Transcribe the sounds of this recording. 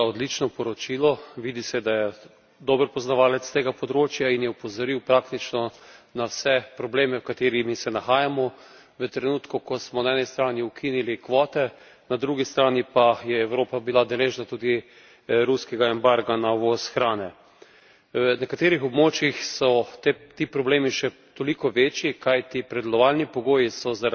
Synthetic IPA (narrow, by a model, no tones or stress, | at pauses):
ɔd̪lit͡ʃnɔpɔɾɔt͡ʃilɔʋiːd̪isɛd̪ajɛ | d̪oːbəɾpɔznaʋaːlɛt̪st̪eːɡapɔd̪ɾoːt͡ʃjainjɛupɔzɔɾiwpɾaːkt̪it͡ʃnɔnawsɛpɾɔbleːmɛwkat̪eːɾimisɛnaxaːjamɔ | ʋət̪ɾɛnuːt̪kukɔsmɔnaɛːnɛst̪ɾaːniukʰinilikʋɔːt̪ɛ | nad̪ɾuɡist̪ɾaːnipajɛːwɾoːpabilad̪ɛleːʒnat̪uːd̪i | ɾuskɛɡaɛmbaɾɡanaʋosxɾaːnɛ | ənɛkat̪eːɾixɔbmoːt͡ʃjixsɔt̪et̪iːpɾɔbleːmiʃɛ | t̪olikɔʋeːt͡ʃjikajt̪ipɾɛd̪ɛlɔʋaːlnipɔɡoːjisɔza